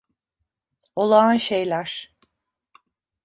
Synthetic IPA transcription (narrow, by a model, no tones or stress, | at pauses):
olˠanʃejlʲæɾ̥